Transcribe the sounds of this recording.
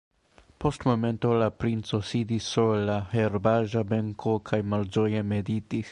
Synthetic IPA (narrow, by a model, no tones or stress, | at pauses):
post̪momɛnt̪olapɾint̪sosid̪isolahɛɾbaːʒabɛŋkʰokʰajmalzojɛmed̪it̪ix